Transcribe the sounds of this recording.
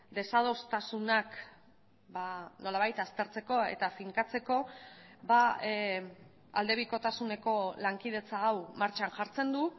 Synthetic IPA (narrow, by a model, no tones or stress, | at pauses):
d̪e̞sað̞o̞st̪asunak | bano̞laβajt̪ast̪e̞ɾt͡se̞ko̞e̞̰t̪afiŋkat͡se̞ko̞ | ba | a̰ld̪e̞βiko̞t̪asune̞ko̞laŋkið̞e̞t͡saːwmaɾt͡ʃanʝaɾt͡se̞nd̪u